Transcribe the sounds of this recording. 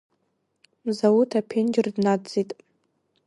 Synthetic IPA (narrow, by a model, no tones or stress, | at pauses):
zawutʰapʰend͡ʒɪrdnadd͡zitʼ